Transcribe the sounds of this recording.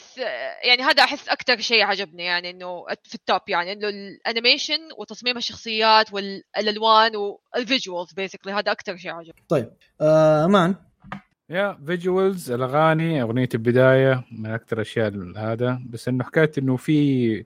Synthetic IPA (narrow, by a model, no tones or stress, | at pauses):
basjʔaʕniɦaːd̪aʔaħɪsːʔakt̪ɑɾˤʃeːʕad͡ʒabnijaʕniʔɪnːʊʔfit̪ːoːpːjaʕniʔɪnːʊlʔanɪmeːʃʊnwɪt̪ɑsˤmiːmaʃːɑxsˤɨjːaːt̪wɪllʔalwaːnwɪlvɪd͡ʒwalzbeːsɪkliɦaːd̪aʔakt̪ɑɾˤʃeːʕad͡ʒabt̪ˤɑjːb̚ | ʔaʔamaːn | javɪd͡ʒwalzalʔaɣaːniʔaɣnɪjːat̪lbɪd̪aːjamɪnʔak̚t̪ɑɾˤʔaʃjaːʔhaːd̪abasːʔɪnːʊħḁkaːt̪ʔɪnːufi